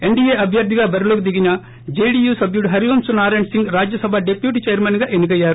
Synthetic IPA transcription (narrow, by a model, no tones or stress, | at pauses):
e̞ɳɖiːeːɐbʱjɐɾd̪ʱiɡaːbɐɾilokid̪iɡinɐ | d͡ʒejɖiːjuːsɐbjuɖɦɐɾiʋɐmsunaːɾeɳɖsiŋɡɾaːd͡ʒjɐsɐbʱaːɖepjuːʈ̬iːt͡ʃejɐɾmɐnɡaːʔenukɐjːaːɾu